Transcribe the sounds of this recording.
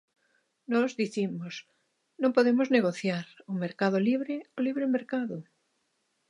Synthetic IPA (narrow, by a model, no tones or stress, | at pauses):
nɔzðiθimos | nõmpoðemozneɣoθjaɾomeɾkað̞oliβ̞ɾeoliβɾemeɾkaðo